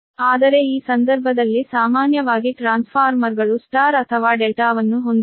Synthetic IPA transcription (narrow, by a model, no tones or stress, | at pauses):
aːd̪ɐɾe̞iːsɐnd̪ɐɾbʱɐd̪ɐlːisaːmaːnjɐʋaːɡiʈɾaːnspʰaːɾmɐɾɡɐɭusʈaːɾɐt̪ʰɐʋaːɖelʈaːʋɐnːuɦo̞nd̪